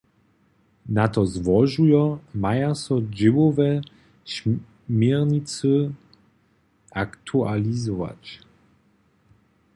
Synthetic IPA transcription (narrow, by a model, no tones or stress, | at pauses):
nat̪ɔzvɔʒujɔmajasɔd͡ʑɪvɔvɛ | ɕ | mʲjɛʁɲit̪sɨ | akt̪ʰualʲizɔva̰t͡ɕ